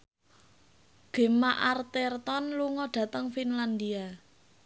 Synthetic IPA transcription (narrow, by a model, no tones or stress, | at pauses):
ɡ̥e̤maʔart̪ɛrt̪ɔnluŋɔɖ̥ä̤t̪əŋfinland̪ia